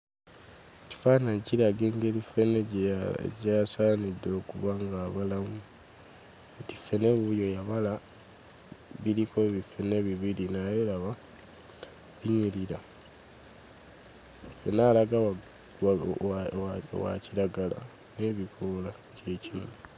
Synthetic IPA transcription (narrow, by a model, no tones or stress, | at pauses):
eci̥faːnaɲciɾaɡeŋɡe̞ːlifenḛ | ɟasaːnido̞ːkuβaŋɡaːβalamu | etifːe̞ne̞βujo̞jaβala | βiɾikʰo̞βifene̞βiβilinajeɾaβa | βiɲiliɾa | fenaːlaɡawa | wa̰ciɾaɡala̰ | ne̞βikʰola | ce̞cinu